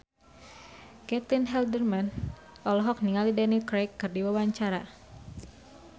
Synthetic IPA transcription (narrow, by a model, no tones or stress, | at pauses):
kɛt̪inɦɛldərman | ʔɔlɔɦɔk̚niŋalidɛnikɾejkːɨrdiwawaɲt͡ʃaɾa